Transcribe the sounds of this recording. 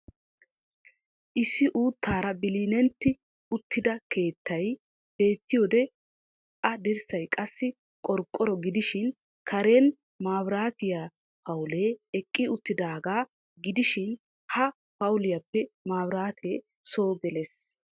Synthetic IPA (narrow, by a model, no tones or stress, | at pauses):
ʔɪsːɪʔuːt̪ːaːɾɐbɪliːnɛnt̪ːɪ | ʊt̪ʰːɪd̪ɐke̞ːt̪ʰːɐj | b̥e̞ːt̪ːɪjoːd̪ɛ | ʔɐd̪ɛɾsɐjkʼɐsːɪ | kʼɔɾkʼːɔɾɔɡɪd̪ɪʃɪn | kʰɐɾeːn | maːbɾaːt̪ɪja | pɐwʊleːɛkʼːɪʊt̪ːɪd̪aːɡaː | ɡɪd̪ɪʃɪn | hɐ | pɐwʊlɪjɐpːɛmaːbɾaːt̪ʰeː | so̞ːbɛles